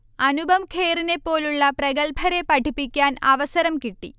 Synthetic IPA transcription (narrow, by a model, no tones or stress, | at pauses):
ɐnubʱɐmkʰe̞ːrine̞pːo̞ːluɭːɐprɐɣɐlbʱɐɾe̞pɐʈʰipːikʲːaːnɐʋɐsɐɾɐmkiʈːḭ